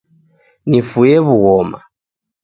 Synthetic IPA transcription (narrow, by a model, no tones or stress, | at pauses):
nifujɛβuɣɔma̰